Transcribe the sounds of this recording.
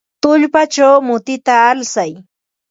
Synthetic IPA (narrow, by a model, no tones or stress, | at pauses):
t̪ʊʎpat͡ʃawmʊt̪ɪt̪aːlsaj